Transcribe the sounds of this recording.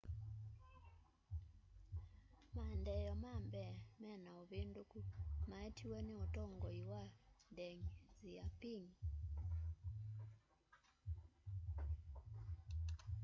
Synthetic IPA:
mandɛjɔmambɛmɛnaoβendokumaetʰiweneotoŋɡɔiwandɛŋiziapiŋ

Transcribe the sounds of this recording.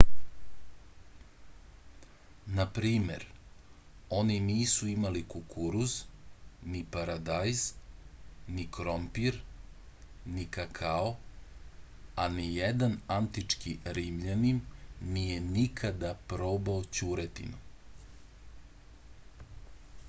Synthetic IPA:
napɾiːme̞̰ɾ | o̞niniːsuimalikukuɾuznipaɾad̪ajz | nikɾompiɾ | nikakʰao | anijed̪anant̪it͡ʂkiɾimʎanimnijenikʰad̪apɾoːbaot͡ɕuɾet̪ḭnu

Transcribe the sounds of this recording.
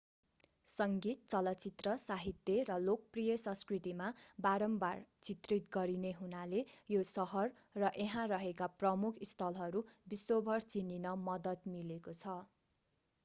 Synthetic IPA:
sʌŋɡit̪̚t͡sʌlʌt͡sit̪rʌsaɦit̪jʌrʌlok̚ʌprijʌsʌ̃skrit̪imabaɾʌmbart͡sit̪rit̪̚ɡʌɾineɦunalejosʌɦʌrː | ʌʔeɦãrʌɦekaprʌmukʰist̪ʰʌlɦʌɾubisobʱʌrt͡sininʌmʌd̪ʌt̪milekot͡sʰʌ

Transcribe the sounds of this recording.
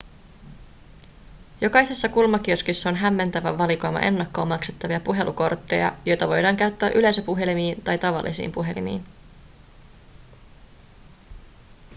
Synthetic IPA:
jo̞kɑjsesːɑkulmɑk̟iøskysːɑonɦæmːe̞nt̪æʋæʋɑliko̞jmɑ̰ʔe̞nːɑkːo̞ːmɑkset̪ːɑʋiɑpuɦe̞lʔuko̞rt̪ːe̞̰jɑ̰jo̞jt̪ɑʋo̞jdɑːŋkæɥt̪ːæːʔyle̞jsæpuɦe̞limiːnt̪ɑjt̪ɑʋɑ̰lːḭsḭːmpuɦe̞lḭmḭːn

